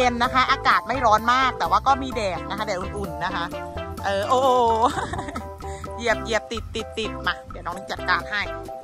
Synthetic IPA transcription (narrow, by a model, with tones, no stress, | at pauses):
e˧nːa˦˥kʰa˦˥ʔaː˧kaː˨˩t̪̚ma˥˩jɾɔː˦˥nmaː˥˩k̚t̪ɛː˨˩waː˥˩kɔː˥˩miː˧dɛː˨˩k̚na˦kʰa˦˥dɛː˨˩˦ʔu˨˩nʔu˨˩nːa˦˥kʰa˦˥ʔ | ʔɤː˨˩ʔoː˧˩ | ji˧˩əp̚ji˧˩əp̚t̪i˨˩t̪ːi˨˩t̪ːi˨˩t̪̚ma˧˩da˨˩nɔː˦˥niː˧˥˩t͡ɕa˨˩t̪̚kaː˧nɦa˥˩j